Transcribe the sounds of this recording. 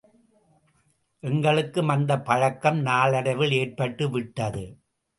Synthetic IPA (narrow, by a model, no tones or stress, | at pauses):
ʔɛŋɡɐɭɯkːɯmɐnd̪ɐpɐɻɐkːɐmnaːlɐɽɐɪʋɪɭeːrpɐʈːɯʋɪʈːɐðɯ